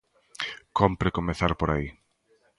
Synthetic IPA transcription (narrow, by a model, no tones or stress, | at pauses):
kompɾekomeθaɾpoɾai